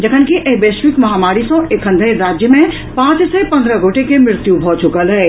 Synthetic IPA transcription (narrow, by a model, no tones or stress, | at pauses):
d͡ʒəkʰənkiʔeɦbeʃʋikmɐɦamaɾisə̃ekʰənd̪ʱəɪɾad͡ʒjəmẽ | pãt͡ʃsɛpə̃nd̪ʱɾəɡʱoʈekemɾɪɾt̪jubʱɔt͡ʃukəlɦɛ